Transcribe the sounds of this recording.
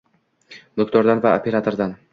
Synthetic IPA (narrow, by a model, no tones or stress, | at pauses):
d̪okt̪ɒɾd̪anvao̰pʰʲe̞ɾat̪ʰo̞ɾd̪an